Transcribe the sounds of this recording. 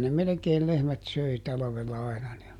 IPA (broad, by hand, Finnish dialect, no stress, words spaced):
ne melekeːl lehmæt søi tɑlɑ̆ʋelːɑ ɑinɑ ne